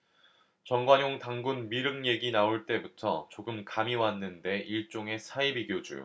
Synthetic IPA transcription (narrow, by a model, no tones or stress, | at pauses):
t͡ɕʌŋɡwaɲoŋtaŋɡunmiɾɯŋje̞ɡinaoɭt͈e̞butʰʌt͡ɕoɡɯmkamiwanːɯnde̞ʔiɭt͡ɕ͈oŋe̞sʰaibiɡjod͡ʑṵ